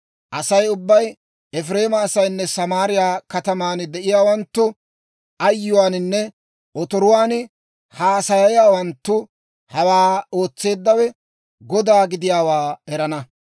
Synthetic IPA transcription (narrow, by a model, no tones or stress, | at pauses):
ʔɐsɐjʊbːɐj | ɛfɾe̞ːmɐːsɐjnːɛsɐmaːɾɪjaːkɐt̪ɐmaːnd̪ɛʔɪjaːwɐnt̪ːʊ | ɐjːʊwaːnɪnːɛ | ɔt̪ɔɾʊwaːn | haːsɐjɐjaːwɐnt̪ːʊ | hɐwaːo̞ːt͡sːe̞ːd̪ːɐwɛ | ɡɔd̪aːɡɪd̪ɪjaːwaːɛɾɐnɐ